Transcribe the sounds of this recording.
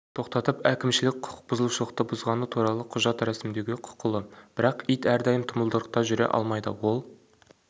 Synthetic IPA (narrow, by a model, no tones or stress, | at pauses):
t̪ʰo̞qt̪ɑt̪əpækʲɪmʃɪlɪk̚ʲqʰʊ̥qq̚bʊzəlˠuʃəlˠəqt̪əbʊzʁɑnət̪ʰuɾɑlˠəqʰʊʒɑt̪ɾæsɪmd̪e̞ɡʲɪqʰʊ̥qʊlˠəb̥ɪɾɑqijt̪æɾd̪ɑjəmt̪ʰʊməlˠd̪əɾəq̚t̪ɑʒʏɾe̞̰ʔɑ̰lˠmɑjd̪ə̰wo̞lˠ